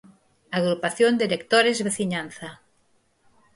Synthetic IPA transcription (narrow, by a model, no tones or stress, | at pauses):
aɣɾupaθjond̪iɾek̚t̪oɾezβeθiɲanθa